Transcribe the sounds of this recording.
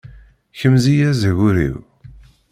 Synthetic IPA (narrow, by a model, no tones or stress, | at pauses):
çəmzijæzəʝʊɾḭw